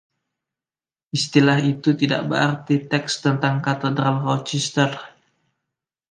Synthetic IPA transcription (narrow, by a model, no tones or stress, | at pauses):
ʔist̪ilahit̪ut̪ida̰ʔbə̰ɾart̪it̪ɛkst̪ənt̪aŋkat̪ədɾalrɔt͡ʃɛst̪ər